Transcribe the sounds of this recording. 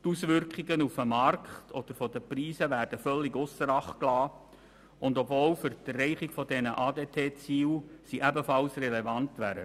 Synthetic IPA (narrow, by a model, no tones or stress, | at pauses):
t̪usʋʏɾkχiɡənufəmɑrkχtʰɔd̥̪əɾfɔd̥̪əpriːsəʋæːɾd̥əfœlːiɡʊsəɾɑχklɑː | ʊnd̪ɔbvoːlfʏɾt̪ərːɛɪχiɡ̥fɔdɛnəʔɑːdeːtʰeːt͡siːwsiʔæbəfɑlsrɛlɛvɑntʋæːɾə